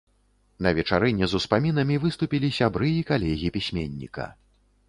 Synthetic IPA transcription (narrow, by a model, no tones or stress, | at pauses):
nɐvʲɛt͡ʂaɾɛnʲɛzuspamʲinɐmʲivɨst̪upʲilʲisʲabɾɨikalʲɛɣʲipʲisʲmʲenʲːḭkɐ̰